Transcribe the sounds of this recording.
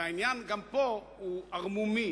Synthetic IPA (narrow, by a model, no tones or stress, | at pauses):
ajnianɡampo | uaʁmumi